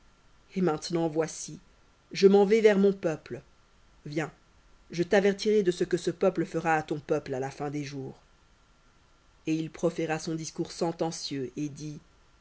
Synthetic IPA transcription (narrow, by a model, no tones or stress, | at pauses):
emɛ̃t̪nɑ̃vwasi | ʒəmɑ̃vɛvɛʁmɔ̃pœpl | vjɛ̃ | ʒət̪avɛʁt̪iʁed̪əsəkəsəpœpləfəʁaːt̪ɔ̃pœplalafɛ̃d̪eʒuːʁ | eilpχɔfeʁasɔ̃d̪iskuʁsɑ̃t̪ɑ̃sjøʔed̪i